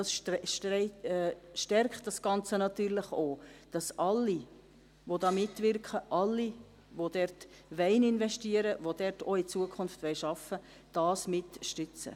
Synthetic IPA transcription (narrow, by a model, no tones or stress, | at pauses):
dɑsʃʃɛ | ʃtɛɾktd̥ɑsɡ̥ɑnt͡sənɑtyːɾləχoːd̥ɑsʔɑlːi | ʋodɑːmɪtːvɪrkχəʔɑlːi | ʋod̥ɛrt | ʋɛɪnɪnvɛʃtiːəɾəʋodɛɾtoit͡suəkʰχʊnftʋɛɪʃɑfə | d̥ɑːsmɪtʃtʏt͡sə̰